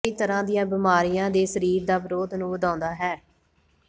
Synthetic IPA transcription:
iːt̪əɾãːd̪ijãːbɪmaːɾijãːd̪eːsəɾiːɾd̪aːʋɪɾoːd̪nũːʋəd̪ãːnd̪aːɦɛː

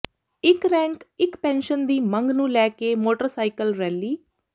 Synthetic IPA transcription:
ɪkɾɛ̃ːŋkɪkpɛ̃ːnʃənd̪iːmə̃ŋɡnũːlɛːkeːmoːʈəɾsaːikəlɾɛːliː

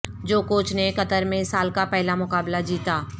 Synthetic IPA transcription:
d͡ʒoːkoːt͡ʃnekɐt̪əɾmẽsaːlkapɛɦlamʊkaːblad͡ʒiːt̪aː

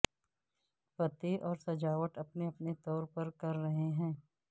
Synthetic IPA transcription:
pɐt̪eʔɔːɾsɐd͡ʒaːʋəʈ̪ɐpneɐpnet̪ɔːɾpɐɾkɐɾːɐɦeɦɛ̃ː

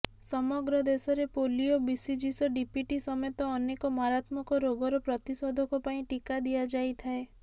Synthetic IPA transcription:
sɔmɔɡɾɔd̪esɔɾepoliobisid͡ʒisɔɖipjuʈisɔmet̪ɔːnekɔmaɾat̪mɔkɔɾoɡɔɾɔpɾɔt̪isɔd̪ʱɔkupaĩʈikad̪iad͡ʒajt̪ʰae

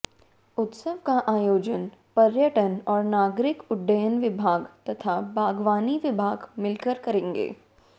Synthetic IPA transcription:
ʊt̪səʋkaʔaːjoːd͡ʒənpɐɾjəʈənɔːɾnaːɡɾɪkʊɖːəjənʋɪbʱaːɡt̪ɐt̪ʰabʱaːɡʋaːniʋɪbʱaːɡmɪlkəɾkɐɾẽːŋɡḛː

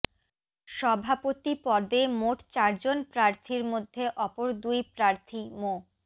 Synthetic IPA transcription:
ʃɔbʱapot̪ipɔd̪emoʈt͡ɕaɾd͡ʑonpɾaɾt̪ʰiɾmod̪ʱːeʔɔpoɾd̪ujpɾaɾt̪ʰimo

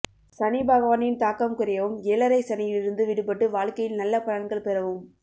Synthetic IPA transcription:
sɐnɪbaːɣɐʋɐːnɪnt̪aːkɐmkʊɾɐjɐʋɯmeːlɐɾɐɪsɐnɐjɪlɪɾɯnd̪ɯʋɪɽɯpːɐʈːɯʋaːɭkɐjɪlnɐlːɐpɐɻɐŋɡɐɭpɛɾɐʋɯm

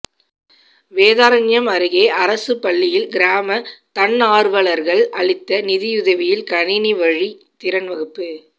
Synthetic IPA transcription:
ʋeːðaːɾɐnjɐmɐɾɯɣeːʔɐɾɐsɯpɐɭːɪjɪlɡɪɾaːmɐt̪ɐnːaːɾʋɐɭɐɾɣɐɭʔɐɭɪt̪ːɐnɪðɪjʊðɐʋɪjɪlkɐɳɪniʋɐɻit̪ɪɾɐnʋɐɣɯpːɯ

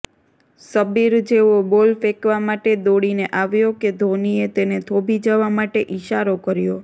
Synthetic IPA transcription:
səbiɾd͡ʒeʋobolfekʋamaʈed̪oɽineʔaʋjoked̪ʱoniet̪enet̪ʰobʱid͡ʒəʋamaʈeʔiʃaɾokəɾjo

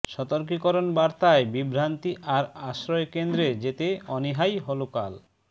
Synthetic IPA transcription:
ʃɔt̪oɾkikɔɾonbaɾt̪aebibɾant̪iʔaɾaʃɾɔekend̪ɾed͡ʑet̪eɔniɦajɦoloka̰l

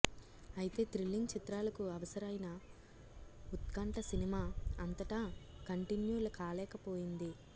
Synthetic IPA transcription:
ɐjit̪e̞ːt̪ɾilːiŋɡ̚t͡ʃit̪ɾaːlɐkuɐʋɐsɐɾɐjnɐ | ut̪kɐɳʈɐsinimaːɐnt̪ɐʈakɐɳʈinjuːɾlɐkaːlɛːkɐpoːjind̪i

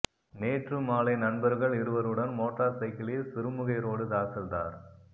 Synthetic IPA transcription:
neːʈrɯmaːlɐɪnɐnbɐɾɣɐɭɪɾɯʋɐɾɯɽɐnmoːʈraːɾsɐɪkːɪlɪlsɪɾɯmɯɣɐɪɾoːɽɯd̪aːsɐld̪aːɾ

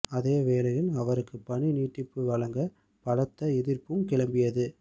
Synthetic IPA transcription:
ɐðeːʋeːlɐjɪlɐʋɐɾɯkːɯpːɐɳiniːʈːɪpːɯʋɐɭɐŋɡɐ | pɐɽɐt̪ːɐɛðɪrpɯmkɪɭɐmbɪjɐðɯ

